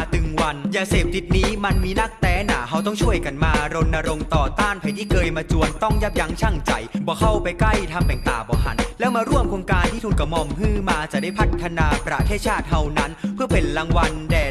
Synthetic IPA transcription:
t̪ɯ˨˩ŋwa˧njaː˧seː˨˩p̚t̪i˨˩t̪̚niː˦˥ma˧nmiː˧na˥˩k̚t̪ɛː˨˦˥na̰ː˨˩˦ɦa˧wt̪̬ɔ˥˩ŋt͡ɕʰu˥˩əjka˧˩nmaː˧ɾo˧nʔa˧ɾo˧mt̪ɔː˨˩t̪aː˥˩npʰa˨˩˦jt̪ʰiː˥˩kɤː˧jmaː˧t͡ɕu˧ənt̪ɔ˥˩ŋja˦˥p̚ja˧˦˥ŋt͡ɕʰa˧˥˩ŋt͡ɕa̰˧jbɔː˨˩˦kʰa˥˩wpa˧jkla˥˩jt̪ʰa˧mpɛː˨˩ŋt̪a̰ː˨˩bɔː˨˩˦ɦa̰˨˩˦nlɛː˦˥wmaː˧ɾu˥˩əmkʰoː˧ŋkaː˧nt̪ʰiː˥˩t̪uː˧nka˧˩mɔ˧mhɯː˥˩maː˧t͡ɕa˨˩ʔda˥˩jpʰa˦˥t̪ʰːa˧naː˧pɾa̰˧t̪ʰeː˥˩t̪̚t͡ɕʰaː˥˩t̪̚ha˧˩wna˦˥npʰɯ˥˩əpe˧nla˧ŋwa˧ndɛː˨˩

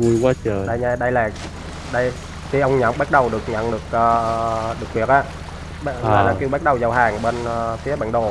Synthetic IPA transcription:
vu˧jkwaː˨˧˦t͡ɕəː˨˩ɗə˧jɲaː˧ɗə˧jlaː˨˩ | ɗə˧j | t̪i˨˧˩ʔə˧wŋ͡mɲə̰˧˥nɓa˦˥t̚ɗə˨˩wɗɨ˨˩ək̚ɲə̰˧˥nɗɨ˨˩ək̚ʔəː˨˩˧ɗɨ˨˩ək̚hwi˨˩ək̚ʔaː˧˨ | ɓa˧laː˨˩ki˧wɓaː˦˥t̚ɗə˨˩wzə˨˩wɦaː˨˩ŋɓe˧nəː˨˩fi˨˦əɓa̰ː˧˨nɗo˨˩

